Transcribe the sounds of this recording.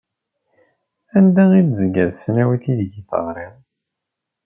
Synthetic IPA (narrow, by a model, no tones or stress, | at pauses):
ænd̪æid̪zɡæðsnæwiθiðɡiθə̰ʁɾˤiʁ